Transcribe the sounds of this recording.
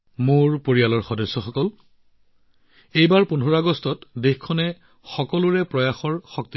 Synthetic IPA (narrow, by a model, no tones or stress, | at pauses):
mʊɹpoɹijalɔɹxɔdɔsːɔxɔkɔl | ejbaɹpunʱɔɹaɡɔstɔtdexkʰɔnɛ | xɔkɔlʊɹɛpɹɔjaxɔɹxɔk̚ti